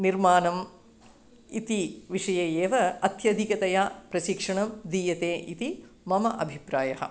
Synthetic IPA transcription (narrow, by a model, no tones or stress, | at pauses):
niɾmaːnɐm | it̪iʋiʂɐjɐjeːʋɐɐt̪jɐd̪ʱikɐt̪ɐjaːpɾɐʃikʂɐɳɐmd̪iːjɐt̪eːʔit̪imɐmɐʔɐbʱipɾaːjɐɦɐ̰